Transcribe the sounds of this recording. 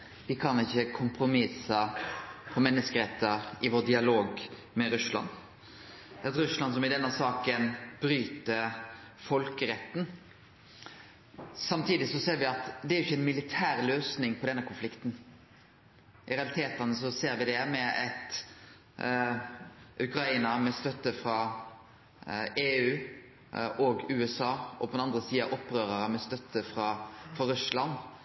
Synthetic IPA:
ʋɪkʰɑnɪçːəkʰʊmpʰɾʊmɪsɑpʰɔmɛnːəskəɾɛt̪ːɑɪʋoːəd̪ɪɑloːɡ | mɛɾʉslɑ̰n | ɛt̪ɾʉslɑnsɔmɪd̪ɛnːɑsɑːkənbɾyːt̪əfɔlkəɾɛt̪ːn̩ | sɑmt̪ʰiːd̪ɪsɔseːɾʋɪɑt̪d̪ɛæɾʊɪçːəɛɪnmɪlɪt̪ʰæːɾløːsnɪŋpʰɔd̪ɛnːəkʰʊnflɪkt̪n̩ | ʔɪɾɛɑlɪt̪ʰeːt̪ənəs̬ɔseːɾʋɪd̪ɛmɛɛ̰t̪ | ʔʉkɾɑiːnɑmɛst̪œt̪ːəfɾɑ | eːʉː | ɔɡʉːɛsɑːɔpʰɔd̪ɛnɑnd̪ɾəsiːɑʔɔpːɾøːɾəɾəmɛst̪œt̪ʰːəfɾɑfɾɑɾʉslɑn

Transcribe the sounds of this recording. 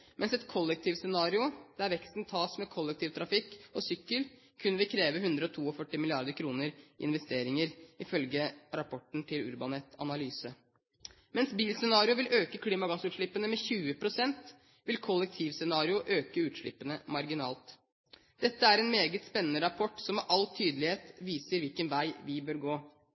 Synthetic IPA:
mʔɛnsɛt̪kʰɔlːɛk̚t̪ʰiːʋsɛnɑːɾɪʊd̪̥ɛæɾʋɛkst̪nt̪ʰɑːsmɛkʰɔlːɛk̚t̪ʰiːʋt̪ʰɾɑfɪkːɔsʏkːəl | kʰʉnʋɪlkʰɾeːʋəɦʉnd̪ɾəɔt̪ʰuːɔfœʈːɪmɪlɪɑɾd̪əɾkʰɾuːnəɾ̰ɪ̰nʋɛst̪eːɾɪŋəɾɪfœlɡəɾɑpʰɔʈn̩t̪ʰɪlʉ̰ɾbɑnɛt̪ʰːɑ̰nɑlyːsə | mɛnsbiːlsɛnɑːɾɪʊʋɪlʔøːkəkʰliːmɑɡɑsʉːt̪ʂɭɪpːənəmɛçʉːəpʰɾʊsɛnt̪ | ʋɪlkʰɔlːɛk̚t̪ʰiːʋsɛnɑːɾɪʊʔøːkəʉːt̪ʂɭɪ̰pːənəmɑɾɡɪnɑ̰ːlt̪ | d̪̥ɛt̪ːəæɾɛnmeːɡət̪spɛnːənəɾɑpʰɔʈːsɔmːɛʔɑlt̪ʰyːd̪əlɪheːt̪ʋiːsəɾʋɪlkənʋæɪʋɪbøːɾɡoː

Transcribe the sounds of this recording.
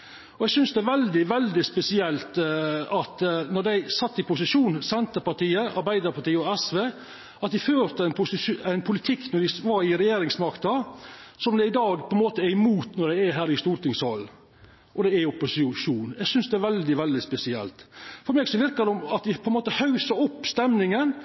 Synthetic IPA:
ɔɛɡsʏnsd̪ɛæɾʋɛld̪ɪʋɛld̪ɪspɛsɪɛlt̪ɑt̪nɔd̪æɪsɑt̪ːɪpʊsɪʂuːnsɛnt̪əpɑʈiːəʔɑ̰ɾbæɪd̪əɾpʰɑʈiːəɔɛsʋeː | ɑt̪̚d̪ɪføːɾt̪əæɪnpʊsɪæɪnpʰʊlɪt̪ʰɪkːnɔd̪ɪʋɑɾɪɾɛjeːɾɪŋsmɑkt̪ɑsɔmd̪ɛɪd̪ɑːɡpʰɔɛnmoːt̪əæɾɪmuːt̪nɔɖæɪæɦæːɾɪst̪uːɾʈ̪ɪŋshɔlː | ʔɔd̪ɛæʊpːʊsɪʂuːnæɡsʏnsd̪ɛæɾʋɛld̪ɪʋɛld̪ɪspɛsɪɛ̰lt̪fɔɾmɛːɡsɔʋɪɾkɑd̪ɔmɑt̪d̪ɪpʰɔɛnmoːt̪əhɑʉsəɾɔpːst̪ɛmnɪŋən

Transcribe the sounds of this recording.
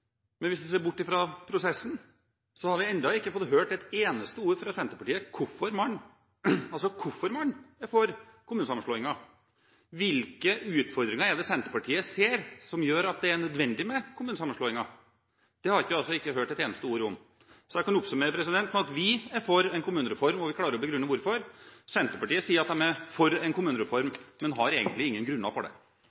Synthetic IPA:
mɛnʋɪsd̪ɛs̬eːɾbʊʈːɪfɾɑpʰɾʊsɛsːn̩ | sɔhɑɾʋɪɛnd̪ɑɪkːəfɔt̪ːɦøːʈɛt̪eːnəst̪əuːɾfɾɑsɛnt̪əɾpɑʈiːəkʰʊfɔɾmɑɳː | ɑlsɔkʰʊfɔɾmɑnːɛfɔɾkʰʊmʉːnəsɑmːən̩ʂɭoːɪŋɑ | ʋɪlkəʉːt̪fɔɾd̪ɾɪŋɑɾɛd̪ɛsɛnt̪əɾpɑʈʰiːəseːɾsɔmjøːɾɑt̪̚d̪ɛæɳœd̪ʋɛnd̪ɪmɛkʰʊmʉːnəsɑmːən̩ʂɭoːɪŋɑ | d̪̥ɛhɑɾɪkːəɑlsɔɪkːəɦøːʈɛt̪eːnəst̪əuːɾɔm | sɔjæɪkɑnʊpsʉməpʰɾɛs̬ɪd̪ɛnt̪n̩ɑt̪ʋɪæfɔɾɛnkʊmʉːnəɾɛfɔɾmɔʋɪklɑːɾəɾɔbəɡɾʉnːəʋʊɾfɔɾsɛnt̪əpɑʈiːəsiːɾɑt̪̚d̪ɛmɛfɔɾɛnkʊmʉːnəɾɛfɔɾmːɛnɦɑɾeːɡənt̪lɪɪŋːənɡɾʉnːɑ̰fɔɖɛ̰

